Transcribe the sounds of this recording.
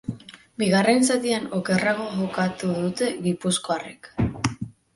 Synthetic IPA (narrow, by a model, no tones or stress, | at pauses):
biɣ̞are̞nsat̪iano̞ke̞raɣ̞o̞ʝokat̪uðut̪e̞ɣipusko̞arek